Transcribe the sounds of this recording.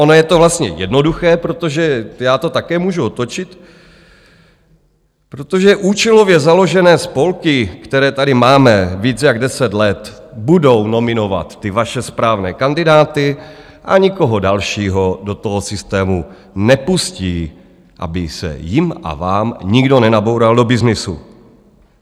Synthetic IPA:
ʔonojɛt̪o̞vlast̪ɲɛ̰jɛdno̞duxɛːpɾot̪o̞ʒɛjaːt̪o̞t̪akɛːmuːʒuot̪ot͡ʃɪt̪ | pɾo̞t̪o̞ʒɛʔuːt͡ʃɛlo̞vjɛzalo̞ʒɛnɛːspo̞lkɪkt̪ɛɾɛːt̪adɪmaːmɛviːt͡sjaɡdɛsɛt̪lɛt̪ | budo̞wno̞mɪno̞va̰t̪ːɪvaʃɛspɾaːvnɛːkandɪdaːt̪ɪ | ʔa̰ɲɪko̞ɦodalʃiːɦodo̞t̪oɦosɪst̪ɛːmu | nɛpusciː | ʔa̰bɪsɛ̰jɪmʔa̰vaːmɲɪɡdo̞nɛnabo̞wɾaldo̞bɪznɪsṵ

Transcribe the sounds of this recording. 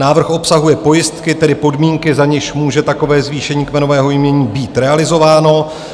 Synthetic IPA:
naːvr̩xo̞psaɦujɛpo̞jɪst̪kɪt̪ɛdɪpo̞dmiːŋkɪzaɲɪʃmuːʒɛt̪ako̞vɛːzviːʃɛɲiːkmɛno̞vɛːɦo̞jimɲɛɲiːbiːt̪ɾɛalɪzo̞vaːno̞

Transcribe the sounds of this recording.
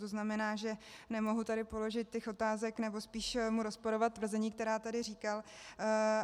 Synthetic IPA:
t̪oznamɛnaːʒɛnɛmo̞ɦut̪adɪpo̞lo̞ʒɪt̪̚cɛxo̞t̪aːzɛknɛbo̞spiːʃmuɾospoɾo̞vat̪̚t̪ːvr̩zɛɲiːk̚t̪ɛɾaːt̪adɪriːkal

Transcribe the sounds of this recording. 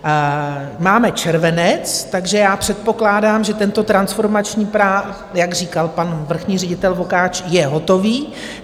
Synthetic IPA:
maːmɛt͡ʃɛɾvɛnɛt͡st̪aɡʒɛjaːpr̝̥ɛt̪̚po̞klaːdaːmʒɛt̪ɛnt̪o̞t̪ɾansfo̞ɾmat͡ʃɲiːpɾaː | jaɡriːkalpanvr̩xɲiːrɛɟɪt̪ɛlvo̞kaːt͡ʃjɛɦo̞t̪o̞viː

